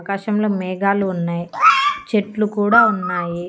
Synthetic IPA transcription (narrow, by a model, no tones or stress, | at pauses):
kaːʃɐmlo̞ːmɛːɡaːluːnːaːjit͡ʃeʈlukuːɽaːunːaːji